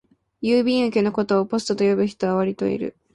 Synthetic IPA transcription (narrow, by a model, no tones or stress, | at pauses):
jɯːbʲĩɰ̃ɯ̟kʲeno̞ko̞t̪o̞ːpo̞sɨ̥t̪ot̪o̞jo̞bɯ̟çi̥t̪o̞aβaɾʲit̪o̞̰ḭɾɯ̟̰